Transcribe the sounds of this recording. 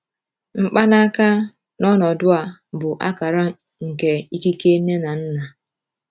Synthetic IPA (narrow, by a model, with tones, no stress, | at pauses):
ŋ͡m̩˦k͡pa˦na˦ka˦ | nɔ˦nɔ˨dʊ˦a˨bʊ˨ʔa̰˦ka˨ɾa˦ | ŋ̩˨ke˨i˦ki˦ke˦ne˦na˨n̩˦na˨